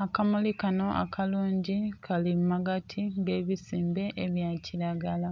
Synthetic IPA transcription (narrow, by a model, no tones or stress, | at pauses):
akamulikano̞ʔa̰kʰaluːɲɟikʰalimːaɡatʰiŋɡe̞ːβisiːmbe̞ʔeβjaːciɾaɡala